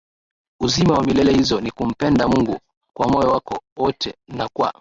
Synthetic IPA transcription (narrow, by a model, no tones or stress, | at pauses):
uzimawamilɛlɛhizɔnikum̩pɛndamuŋɡu | kwamɔjɔwakɔwɔtʰɛ̰nakwa̰